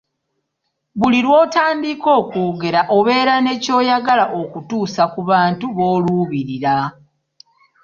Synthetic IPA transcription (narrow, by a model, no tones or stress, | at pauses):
βuliɾwo̞ːtaːmdiko̞ːkuːɡe̞ɾaʔo̞βe̞ːɾane̞co̞ːjaɡalaʔo̞kutuːsakuβaːntuβo̞ːluβiɾiɾa